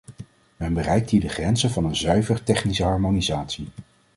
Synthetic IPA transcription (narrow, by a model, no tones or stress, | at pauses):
mɛnbərɛjk̚tɦiːdəχrɛnzənvɑnənzœɥvəɹtɛχnisəɦɑɹmonizaːtsi